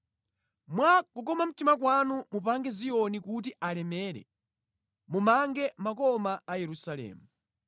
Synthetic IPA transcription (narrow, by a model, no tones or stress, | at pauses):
mwakuk̬ɔmam̩timakwanumupaŋɡɛzijɔnikut̬iʔalɛmɛːɾɛ̰ | mumaŋɡɛmakɔmaajɛɾusalɛ̰ːmu